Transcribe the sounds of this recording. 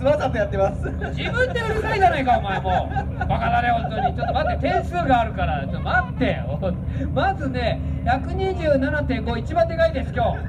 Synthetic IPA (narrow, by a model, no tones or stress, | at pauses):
sɨmasat̪ːejat̪ːemasɨ | d͡ʑibɯ̟̃nd̪e̞ɯɾesɨkʲid͡ʑanaikao̞maemo | βakaɾaɾe̞ɦõnt̪oɲ̟it͡ɕot̪ːmat̪ːet̪ẽ̞ɰ̃sɨːɡaːɾɯ̟kaɾamat̪ːe̞omazɨne̞ | çakɯ̟ɲ̟iʑɨːnanat̪ẽ̞ŋɡo̞it͡ɕibãnt̪e̞ɡaid̪e̞sɨ̥kʲo̞ː